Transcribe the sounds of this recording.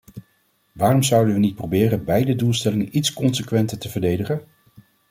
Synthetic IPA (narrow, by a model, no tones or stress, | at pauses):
ʋaːrɔmzʌwdənʋənit̚prowbɪːrənbɛjdədulˠstɛlɪŋənitskɔnsəkʋɛntəɹtəvəɹdejdəχən